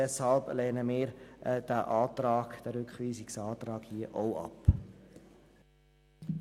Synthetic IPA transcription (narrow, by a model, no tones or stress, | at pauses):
ɛshɑlblɛːnəmɪːɾʔd̥æʔɑːt̪ɾɑːɡ̥d̥æɾʏkχʋiːsɪksɑːt̪ɾɑːɡ̥hiəʔowʔɑ̰p